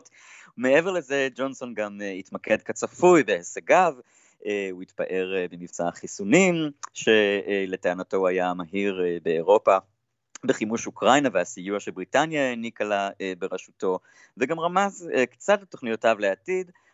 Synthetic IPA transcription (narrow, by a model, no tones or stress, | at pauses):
t | umeeveʁlezed͡ʒo̞nso̞nɡamitmake̞dkat͡safujbeheseɡav | euitpaʔe̞ʁbemivt͡saaχisunimʃe̞le̞teanato̞ajamaɦiʁbeːʁo̞pa | beχimuʃukʁajnaveasijuaʃebʁitanjanikalaebeʁaʃuto | veɡamʁamazkt͡satleto̞χnijotavleatid